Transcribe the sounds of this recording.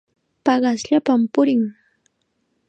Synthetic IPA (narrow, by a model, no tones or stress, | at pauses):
pɑɢɑsʎapampʊɾɪŋ